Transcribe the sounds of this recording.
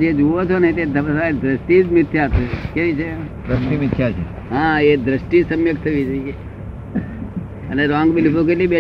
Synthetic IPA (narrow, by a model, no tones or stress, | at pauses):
d͡ʒed͡ʒuʋot͡ʃʰonet̪ed̪əʋsad̪ɾəsʈid͡ʒmɪt̪ʰjat̪ekeʋit͡ʃʰed̪ɾəsʈimɪt̪ʰːjat͡ʃʰe | ɦãed̪ɾəsʈid͡ʒsəmjəkt̪ʰəʋit͡ʃʰ | əneɾãŋɡbilipok̬elibe